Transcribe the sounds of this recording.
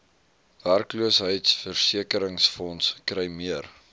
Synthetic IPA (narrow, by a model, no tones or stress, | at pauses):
værkluəsɦəjtsfərsiəkəɾəŋsfɔnskrɛjmiər